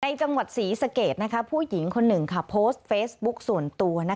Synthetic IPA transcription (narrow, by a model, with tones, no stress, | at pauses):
na˧jt͡ɕa˧ŋwa˨˩t̪̚siː˩˦sa˧keː˨˩t̪̚na˦˥kʰa˦˥pʰuː˥˩ji˩˦ŋkʰo˧nːɯ˨˩ŋkʰa˥˩pʰoː˦˥st̪̚feː˦˥s̚bu˦˥k̚su˨˩ənt̪u˧ɐna˦˥